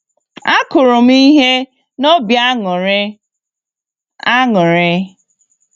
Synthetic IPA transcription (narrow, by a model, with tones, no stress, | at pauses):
a˦kʊ˨ɾʊ˨m̩˦i˦ɦe˦ | no˦bja˦˨˦ | a˦ŋʊ˨ɾe˦